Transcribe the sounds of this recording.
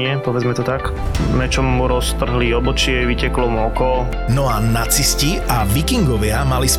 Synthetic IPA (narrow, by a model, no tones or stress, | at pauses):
ɪɛpɔʋɛd͡zmɛt̪ɔt̪ak | mɛt͡ʃɔmːuɾɔst̪r̩ɦliɔbɔt͡ʃɪɛʋicɛklɔmuɔkɔ | nɔanat͡sisciaʋikiŋɡɔʋɪamalis